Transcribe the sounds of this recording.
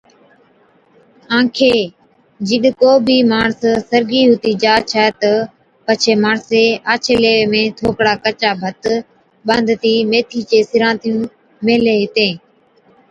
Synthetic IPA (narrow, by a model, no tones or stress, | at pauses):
ãːkʰeː | d͡ʒɪɗkoːbʱiːmaːɳssəɾɡiːɦʊt̪iːd͡ʒaːt͡ʃʰɛːt̪ə | pət͡ʃʰeːmaːɳseːaːt͡ʃʰeːleːeːmẽːt̪ʰoːkɽaːkət͡ʃaːbʱət̪ | ɓə̃nd̪ʱt̪iːmeːt̪ʰiːt͡ʃeːsɪɾãːt̪ijũː | meːleːɦɪt̪ẽː